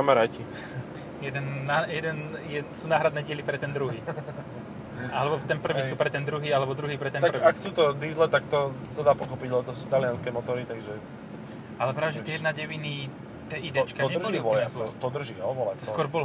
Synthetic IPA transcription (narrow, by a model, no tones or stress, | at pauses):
amaɾaːci | jɛd̪ɛnːajɛd̪ɛnjɛsuːnaːɦɾad̪nɛːɟɪɛlipɾɛt̪ɛnd̪ɾuɦiː | alɛbɔt̪ɛnpr̩ʋiːsuːpɾɛt̪ɛnd̪ɾuɦiːalɛbɔd̪ɾuɦiːpɾɛt̪ɛnar̩akt͡suːt̪ɔd̪izlɛt̪akt̪ɔsad̪aːpɔxɔpiɟɔt̪ɔst̪alɪanskɛmɔt̪ɔɾit̪aɡʒɛ | alɛpɾaːʋɛʒɛt̪ɛjɛd̪naɟɛʋini | t̪ɛʔid̪ɛt͡ʃkadɲɛlʋɔɔalɔt̪ɔd̪r̩ʒiɔʋɔlɛt̪ɔskʊɔɾbɔl